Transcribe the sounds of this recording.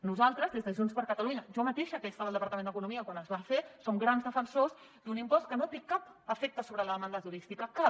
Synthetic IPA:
nuzalˠt̪ɾəzðezðəʒunspəɾkət̪aluɲəʒɔmət̪eʃəkɛst̪aβlˠd̪əpɐɾt̪əmẽnəkunumiəkwanəzβafesoŋɡɾanzðəfənsoz | d̪unimpɔskənot̪ekapəfɛk̚t̪əsoβɾələðəmand̪ət̪uɾist̪ikəka

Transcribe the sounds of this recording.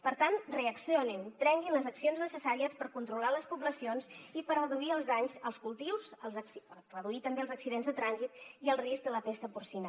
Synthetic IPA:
pəɾt̪anreəksioninpɾɛŋɡinləzəksionznəsəsaɾiəspəɾkunt̪ɾulaləspuβləsionzipəɾrəðuiəlˠzðaɲzəlˠskulˠt̪iwzəlˠzəksiərəðuit̪əmbeəlˠzəksiðenzðət̪ɾanzit̪iəlˠrisɡ̚d̪ələpest̪əpuɾsinə

